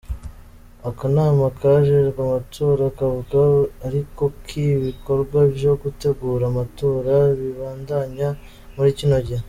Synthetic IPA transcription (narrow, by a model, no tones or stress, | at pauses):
akanaːmakʰaʒeʒkamatʰo̞ːɾakavuɡaːɾiko̞kʰiβiko̞ɾɡwabjo̞ɡute̞ɡuːɾamato̞ːɾaβiβaːndaɲa | muɾicinoɟi